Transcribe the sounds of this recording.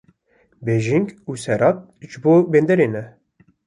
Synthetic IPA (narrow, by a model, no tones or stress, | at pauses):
beːʒiŋɡuːsɛɾɑːt̪̚ | ʒɨboːbeːnd̪ɛɾeːnɛ